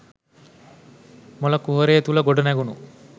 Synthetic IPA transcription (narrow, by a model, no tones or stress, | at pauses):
molɐkːuɦoɾeːt̪ulɐɡoɖɐnæɡunṵ